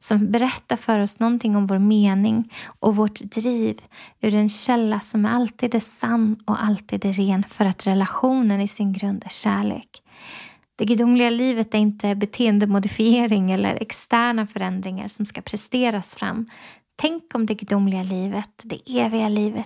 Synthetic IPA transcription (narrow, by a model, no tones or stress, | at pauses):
sɔmbɛɾɛt̪ːaɾfœɾɔsnɔnt̪ʰɪŋːɔmvoːɾmeːnɪŋʔɔvoʈd̪̥ɾiːvʉ̟ɾɛnɕɛlːasɔmæɾalt̪ʰiːd̪æsanːɔ̰ʔalt̪ʰiːd̪æɾeːnfœɾat̪ɾɛlaɧuːnənɪsɪnɡɾɵnd̪æɕæːɭḛːk | d̪̥ɛɡʏd̪ʊmːlɪɡaliːvət̪æɾɪnt̪əbɛt̪ʰeːənd̪əmʊd̪ɪfɪeːɾɪŋɛlːə̰ɾʔɛ̰kst̪æːɳafœɾɛnd̪ɾɪŋa̰ɾʂɔmskapʰɾɛst̪eːɾasfɾa̰mː | t̪ʰɛŋkɔmd̪ɛɡʏd̪ʊmːlɪɡaliːvət̪d̪ɛʔeːvɪɡaliːvət̪